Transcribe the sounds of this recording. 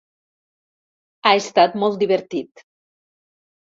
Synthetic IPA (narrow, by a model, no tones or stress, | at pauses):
aest̪at̪mɔlˠt̪d̪iβeɾt̪it̪